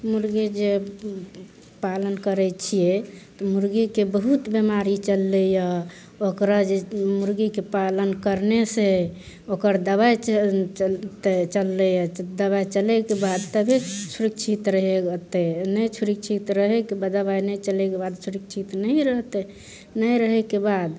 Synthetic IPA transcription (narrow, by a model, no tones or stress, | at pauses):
muɾɡid͡ʒe | palənkəɾɛt͡ʃʰijet̪ɔmuɾɡikebəɦut̪bemaɾit͡ʃəlːeja | okɾad͡ʒemuɾɡikepalənkəɾnese | okəɾd̪əβaj | t̪et͡ʃəlːɛjəd̪əβajt͡ʃəlɛkebad̪t̪əbʱet͡ʃʰuɾikt͡ʃʰit̪ɾəɦeɡt̪ɛnəjt͡ʃʰuɾik̚t͡ʃʰit̪ɾəɦɛkebad̪əbajnəjt͡ʃəlɛkebad̪t͡ʃʰuɾik̚t͡ʃʰit̪nəɪɾəɦt̪ɛ | nəɾəɦɛkebad̪